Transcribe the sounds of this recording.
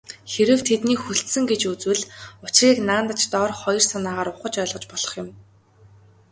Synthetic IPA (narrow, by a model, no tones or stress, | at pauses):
xeɾɘ̆w̥t̪ʰet̪niːxuɬt̪sɘ̆ŋɡet͡ɕut͡swɘ̆ɮʊt͡ɕriːknaːnt̪ə̆t͡ɕt̪ɔrχɔjɞ̆r̥sanaːʁaːɾʊχə̆t͡ɕœːɮʁɞ̆t͡ɕpɔɮ̥ɞ̆χjʊ̆m